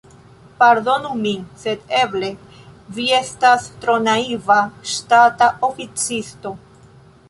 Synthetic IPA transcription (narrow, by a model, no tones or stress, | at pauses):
paɾd̪o̞numinse̞d̪e̞ble̞ | vie̞stast̪ɾo̞naivaʃtataofit͡sisto̞